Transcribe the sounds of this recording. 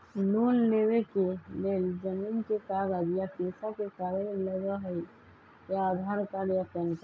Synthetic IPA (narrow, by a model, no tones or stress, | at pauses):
lonlewekeleːld͡ʒəmiːnkekaɡaɡjapeːsakekaɾəlləɡəɦəi | aad̪ʱaɾkaɾjakənk